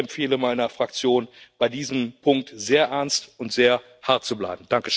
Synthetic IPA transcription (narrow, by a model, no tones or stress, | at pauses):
ɛmfeːləmaɪnɐfʁ̥akt͡sjoːnb̥aɪdiːzəmpʰʊŋk̚tz̥eːɐʔɛɐnstʊntz̥eːɐ | haɐt̚t͡subla̰ɪbm̩d̥aŋkəʃ